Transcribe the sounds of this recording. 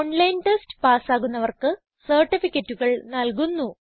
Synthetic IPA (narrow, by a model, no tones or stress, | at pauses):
oɳlɐjnʈestɨ̥paːsaːɣunːɐʋɐrkɨ | sɐrʈːifikʲːɐtːuɣɐɭnɐlk̬unːu